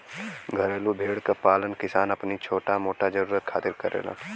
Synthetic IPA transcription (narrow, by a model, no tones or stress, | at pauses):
ɡʱɐɾeːlubʱeːɽkapaːlənkɪsaːnɐpnit͡ʃʰoːʈamoːʈad͡ʒəɾuːɾət̪̚kʰaːt̪ɪɾkɐɾḛːla̰